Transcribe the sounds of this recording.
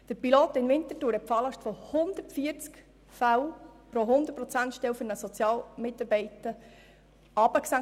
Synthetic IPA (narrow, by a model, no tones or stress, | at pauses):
d̥əɾpiloːt̪ɪnʋɪnt̪ətuːɾhɛt̚pfɑːlɑʃtfohʊnd̪əɾtfiəɾt͡sk | fawpɾoɦʊnd̪ət̚pɾɔt͡sæntʃtɛwfʏɾnəsɔt͡sjɑːlmɪtɑɾbɛɪtə | ɑbəksæ